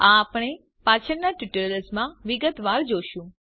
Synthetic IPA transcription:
ãːpɽ̃e | pat͡ʃʰəɾnaʈuʈələsmãʋiɡət̪ʋaɾd͡ʒoʃũ

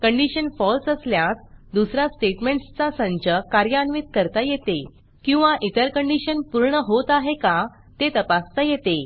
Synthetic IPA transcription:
kəɳɖiɕənfɔlsəsljat̪d̪usɾasʈeʈmeɳʈst͡sasə̃ɲt͡ɕəkaɾjəanʋit̪̚kəɾt̪ajet̪e | kĩw̃ʋaʔit̪əɾkəɳɖiɕənpuɾɳəɦot̪aɦeka | t̪et̪əpast̪ajet̪e

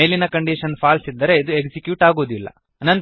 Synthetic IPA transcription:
eːlinɐkɐɳɖiʃɐnpʰaːlsid̪ːɐɾe̞id̪ueksikjuːʈaːɡoːd̪ilːɐ̰ | ɐnɐnt̪

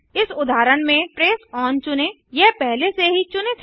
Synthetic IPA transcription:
ɪsʊd̪aːɾəɽmẽpɾeːsɔːnt͡ʃʊne | jɛɦpɛɦleseɦit͡ʃʊnet̪ʰ

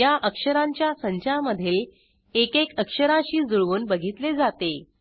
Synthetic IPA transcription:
jaʔəkʂəɾaɲt͡ɕjasəɲt͡ɕaməd̪ʱiːl | ekekəkʂəɾaɕiːd͡zuɭʋuːnbəɡʱit̪led͡zat̪e

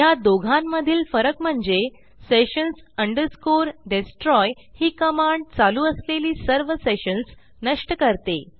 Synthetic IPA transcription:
jad̪oɡʱamːəd̪ʱiːlfəɾəkm̤əɳd͡ze | seɕənsəɳɖəɾskoɾɖesʈɾɔj | hiːkəmaɳɖ̚t͡saluːəsleliːsəɾʋəseɕəns | nəʂʈəkəɾt̪e

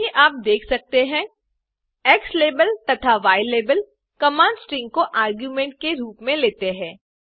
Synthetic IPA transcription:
iʔaːp̚d̪eːkʰsɐk̚t̪eɦɛ̃ː | ɛːksleːbəlt̪ɐt̪ʰaʋaːjleːbəl | kɐmãːnsʈɾɪ̃ŋɡ̚koʔaːɾɡjuːmɛ̃ːɳʈ̚keɾuːpmẽleːt̪eɦɛ̃ː

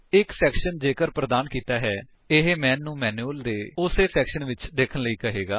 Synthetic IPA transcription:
ɪksɛːkʃənd͡ʒeːkəɾpɾəd̪aːnkiːt̪aːɦɛː | ɪɦemɛːnːũːmɛːnuəld̪eːʊseːsɛːkʃənʋɪt͡ʃd̪eːkʰənləiːkəɦeːɡaː

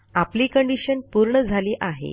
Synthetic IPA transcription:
apliːkəɳɖiɕənpuɾɳəd͡zʱaliːʔaɦḛ

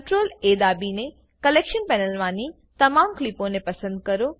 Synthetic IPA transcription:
ʈɾoːleːd̪aːbinẽ | kɐleːkʃənpɛːnəlʋãːni | t̪ɐmaːmklipõnẽpɐsə̃nd̪̚kɐɾo

